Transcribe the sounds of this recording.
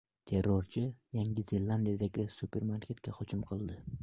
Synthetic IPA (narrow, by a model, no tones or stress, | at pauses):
t̪ʰe̞ɾːoɾt͡ʃʰɪjaŋɡʲɪzelˠand̪ijad̪aɡʲɪsupʰe̞ɾmaɾkʲʰe̞t̪kʲaχʊt͡ʃɪmqʰɨlˠd̪ɪ